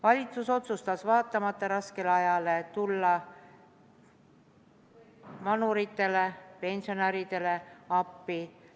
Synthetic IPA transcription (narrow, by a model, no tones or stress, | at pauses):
vɑlʲit̪suso̞t̪sust̪ɑsvɑːt̪ːˑɑmɑt̪ːˑɑɾɑske̞leɑjɑle̞t̪ulːɑ | vɑnuɾit̪ːˑe̞lepe̞nsio̞næɾid̪̥e̞le̞ɑpːi